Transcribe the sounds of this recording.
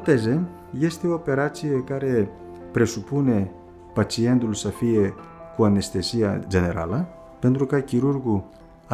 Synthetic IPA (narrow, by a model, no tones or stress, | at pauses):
t̪eze | jest̪eopeɾat͡ʃiekaɾe | pɾesupune | pat͡siend̪ulusafie | kuanest̪esia̰d͡ʒeneɾa̰la | pent̪ɾukakiɾuɾɡu